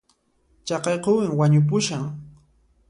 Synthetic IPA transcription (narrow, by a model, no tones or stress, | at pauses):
t͡ʃɑqɑjqowɪŋwaɲʊp̬ʊʃaŋ